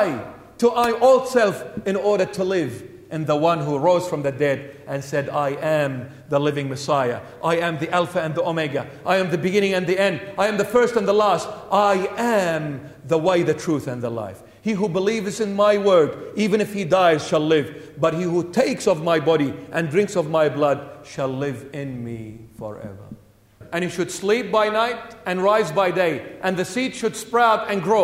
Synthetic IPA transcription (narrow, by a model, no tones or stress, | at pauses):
ɪ | təʔaɪʔɔlˠsɛlˠfɨ̃nɔɹɾə˞tʰəlɪv | ʔɨ̃nðəwʌ̃nɦuɹoʊz̥fɹʌ̃mðɨdɛɾʔɨ̃nsɛɾaɪʔɨ̃m | ðəlɪvɪ̃ŋmɨsaɪə̰ | ʔaɪɨ̃mðiʔɛlˠfɨɨ̃nðiomeɡɨʔaɪɨ̃mðɨbɨɡɪ̃ñɪ̃ŋɨ̃nðiɛ̃nd̚aɪɨ̃mðɨfɜ˞stɨ̃nðəlæstaɪɨ̃m | ðəweɪðɨtʰɹ̥uθɨ̃nðəla̰ɪf | hiɦubəlivzɨ̃nmaɪwɜ˞divɨ̃nɨfhidaɪz̥ʃəlɪvbʌt̚hihutʰeɪksʌvmaɪbɑɾiʔɨ̃ndɹɪ̃ŋksʌvmaɪblʌd̚ʃælˠlɪvɪ̃nmḭfə̰˞ʔɛ̰və̰˞ | ʔɨ̃nhiʃɨd̥slip̚b̥aɪnaɪɾɨ̃nɹaɪzbaɪdeɪʔɨ̃nðɨsitʃɨd̥spɹɛaʊɾɨ̃nɡɹoʊ